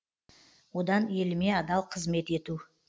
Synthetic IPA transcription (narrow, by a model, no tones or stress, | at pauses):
wo̞d̪ɑnje̞lɪme̞ɑd̪ɑlˠqʰəzme̞t̪e̞t̪u